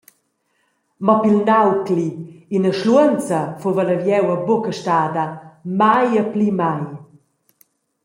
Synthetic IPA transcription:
mɔpilnawkliinəʃluənt͡sɐfovələvjɛwəbokəʃtaːd̪əmajəplimaj

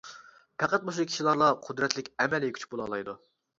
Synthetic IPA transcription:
pʰæqæt̪̚moʃ̬kʲʰi̥ʃilˠɑɾlˠɑqʰʊd̪ɾɛt̪lɪkʲɛmɛlikʰʲy̥t͡ʃʰbolˠɑlˠɑjd̪u

